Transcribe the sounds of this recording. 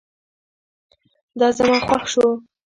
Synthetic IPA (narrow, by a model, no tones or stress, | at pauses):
d̪ɑzamɑxwaxʃo